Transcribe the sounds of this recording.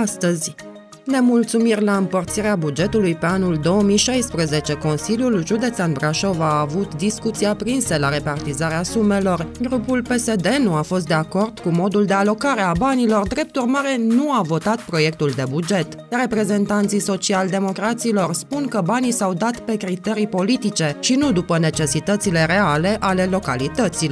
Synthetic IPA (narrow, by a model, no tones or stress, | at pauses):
ast̪əzʲ | ne̞mult̪sumirʲlaɨmpərt̪siɾeabud͡ʒe̞t̪ulujpe̞anuld̪o̞əmiʃajspɾəze̞t͡ʃe̞ko̞nsiljulʒud̪e̞t̪sanbɾaʃo̞vaːvut̪d̪iskut̪siapɾinsəlaɾe̞part̪izaɾeasume̞lo̞rɡɾupulpe̞se̞d̪e̞nuafo̞st̪d̪e̞ako̞rd̪̥kumo̞d̪uld̪e̞alo̞kaɾe̞abanilo̞rd̪ɾe̞p̚t̪urmaɾe̞nuavo̞t̪at̪pɾo̞je̞kt̪uld̪e̞bud͡ʒe̞t̪ | re̞pɾe̞ze̞nt̪ant̪siso̞t͡ʃiald̪e̞mo̞kɾat̪silo̞rspunkəbanisawd̪at̪pe̞kɾit̪e̞ɾijpo̞lit̪it͡ʃe̞ʃinud̪upəne̞t͡ʃe̞sit̪ət̪sile̞ɾe̞ale̞ʔale̞lo̞kalit̪ət̪sil